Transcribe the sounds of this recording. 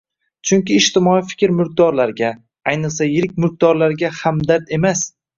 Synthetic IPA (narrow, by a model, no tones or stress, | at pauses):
t͡ʃʰʊŋʲkʲɪːʃt̪ɪmɒifɪ̥kʲɪɾmʊɾk̚d̪ɒɾlaɾɡʲa | ajnɪlˠsajɪɾɪk̚ʲmʊɾk̚d̪̥ɒɾlaɾɡʲahamd̪aɾt̪e̞mas